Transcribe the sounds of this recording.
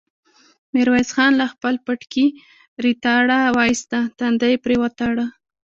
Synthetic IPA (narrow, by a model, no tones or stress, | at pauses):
mɪɾwazxɑnlaxpəlpaʈki | ɾit̪ɑɽawɑjst̪at̪and̪ajpɾewat̪aɽa